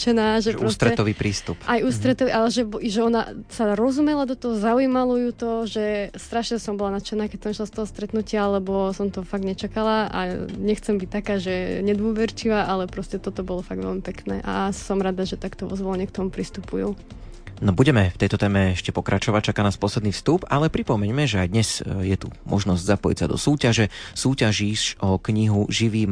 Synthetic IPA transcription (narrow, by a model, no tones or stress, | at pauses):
t͡ʃɛnaːʒɛpɾɔst̪ɾɛt̪ɔʋiːpɾiːst̪upajuːst̪ɾɛt̪ɔʋiʔalɛʒɛbiʒɛɔna̰saɾɔzumɛlad̪ɔt̪ɔɦɔzaujimalɔjut̪ɔʒɛst̪ɾaʃɲɛsɔmbɔlanat͡ʃɛnaːkɛcsɛmiʃlast̪ɔɦɔst̪ɾɛt̪nucɪaalɛbɔsɔmt̪ɔfaɡɲɛt͡ʃakalaa̰ɲɛxt͡sɛmbic̚t̪akaːʒɛɲɛd̪ʋɔʋɛɾt͡ʃiʋaːʔalɛpɾɔscɛt̪ɔt̪ɔbɔlɔfaɡd̪ʋɛ̰lmipɛknɛ̰ːʔasɔmɾad̪aʒɛt̪akt̪ɔʋɔ̰zʋɔlɲɛk̚t̪ɔmupɾist̪upuju | nɔbuɟɛmɛft̪ɛjt̪ɔt̪ɛːmɛɛʃcɛpɔkɾat͡ʃɔʋac̚t͡ʃakaːnaːspɔslɛd̪niːfst̪upalɛpɾipɔmɛɲmɛʒɛajd̪ɲɛzjɛt̪umʔɔ̰ʒnɔzɟzapɔjḭcsad̪ɔsuːcaʒɛsuːcaʒiʃɔkɲiɦuʒiʋiːm